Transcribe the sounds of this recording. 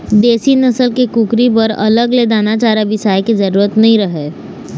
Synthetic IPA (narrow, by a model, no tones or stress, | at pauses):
d̪eːsinɐsəlkekukɾipɐɾɐ̰ləɡleːd̪aːnat͡ʃaːɾaʋɪsaːjkezɐɾuːɾət̪nɐɦĩɾɐɦeː